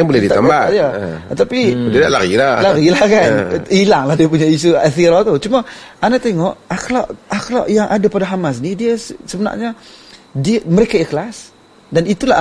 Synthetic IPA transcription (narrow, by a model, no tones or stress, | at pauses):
jaŋbolɛhdit̪ambajat̪apididaʔlaɾilalaɾilahkanilaŋlahdiəp̬uɲais̬uat̪iɾat̪ut͡ʃumaanaʔt̪eŋɔʔaxlaʔaklaʔjaŋʔadapadaɦamas̬nidiassəməna̰ʔɲadiaməɾekaiklas | danit̪ula̰